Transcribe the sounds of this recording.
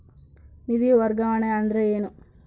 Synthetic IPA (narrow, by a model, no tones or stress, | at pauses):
nid̪iʋɐɾɡaːɳeɐnd̪ɾeeːnu